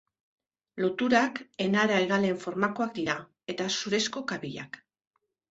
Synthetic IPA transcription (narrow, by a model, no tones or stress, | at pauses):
lo̞t̪uɾake̞naɾaeɣale̞ɱfo̞ɾmako̞ak̚d̪iɾa | e̞t̪asuɾe̞sko̞kaβiʎa̰k